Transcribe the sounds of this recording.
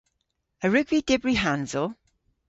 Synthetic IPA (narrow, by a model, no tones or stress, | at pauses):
əɹɪɡvidɪbɹiɦanzɔ